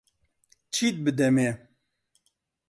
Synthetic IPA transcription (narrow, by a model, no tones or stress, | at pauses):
t͡ʃʰit̪̚bɨd̪ɛme